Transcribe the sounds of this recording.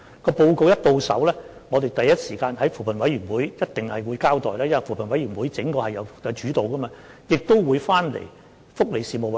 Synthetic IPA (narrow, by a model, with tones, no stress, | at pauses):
kɔː˧po˧wko˨˧wjɐ˥t̚t̪o˨wsɐ̰˨˥wlɛː˥ŋɔː˨˧t̪e˨jt̪ɐ˨jːɐ˥t̚siː˨˩kaː˧nɦɐ˨˥jfuː˨˩pʰɐ˨˩nwɐ˨˥jɥyː˨˩nwuː˨˥jjɐ˥t̚t̪ɪ˨ŋhɐ˨jwuː˨˧jkaː˥wt̪ɔː˨jlaː˥jwɐ˨˩fuː˨˩pʰɐ˨nwɐ˨˥jɥy˨˩nwuː˨˥jt͡sɪ˨˥ŋkɔː˧hɐ˨jɐ˨˧wɐ˧t͡ʃyː˨˥t̪o˨wkɐː˥maː˧ | jɪ˨k̚t̪o˥wwuː˨˧jfaː˥nlḛ˨˩j | fʊ˥k̚le˨˧jsiː˨mo˨w